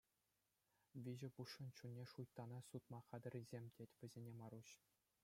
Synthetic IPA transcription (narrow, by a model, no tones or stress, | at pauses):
ʋʲiʑɘ̆puʂːɤ̆nt͡ɕunʲːeʂujt̪ːɑnɑsut̪mɑχɑd̪ɘ̆rʲizʲemʲtʲetʲʋʲɘ̆zʲenʲemɑɾuɕ